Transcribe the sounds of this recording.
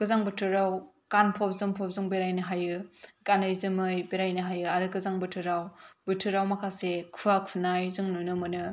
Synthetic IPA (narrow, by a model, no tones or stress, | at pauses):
kɯzaŋbɯtʰɯɾaw | kanpʰɔp̚zɯŋpʰɔp̚zɯŋbeɾajnɯɦajɯkanɯjzɯmɯjbeɾajnɯɦajɯaɾɯkɯzaŋbɯtʰɯɾawbɯtʰɯɾawmakʰasekʰuakʰunajzɯŋnunɯmɯnɯ